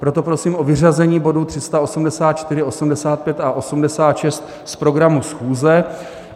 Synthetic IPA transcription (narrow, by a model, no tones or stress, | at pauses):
pɾo̞t̪o̞pɾo̞siːmʔo̞vɪr̝azɛɲiːbo̞dut̪r̝̥ɪst̪ao̞sumdɛsaːt̪̚t͡ʃt̪ɪɾɪʔo̞sumdɛsaːt̪̚pjɛt̪aʔo̞sumdɛsaːt̪ʃɛst̪ | spɾo̞ɡɾamusxuːzɛ